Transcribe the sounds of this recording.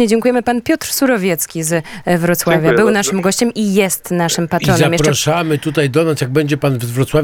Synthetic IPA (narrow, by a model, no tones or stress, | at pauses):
ɲɛd͡ʑɛŋkujɛmɘpanpʲjɔt̪ɾsuɾɔvʲjɛt̪skʲizvɾɔt̪swavʲjabɘwnaʂɘmɡɔɕt͡ɕɛmʔijɛst̪naʂɘmpat̪ɾɾɔnɛamjɛpɾʂamɘt̪ut̪ajd̪ɔnasjaɡ̚bɛɲd͡ʑɛpanvzvɾɔt̪swav